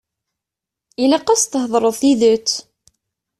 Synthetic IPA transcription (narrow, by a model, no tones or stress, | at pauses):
ilæqɑst̪əɦðˤɾˤəðˤθiðət͡sː